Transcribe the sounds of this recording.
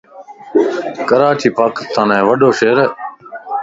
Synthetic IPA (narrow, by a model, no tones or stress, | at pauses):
kəɾaːʈʰiːpaːkɪst̪ãːnɦẽːʋəɗoːʃeːɾeː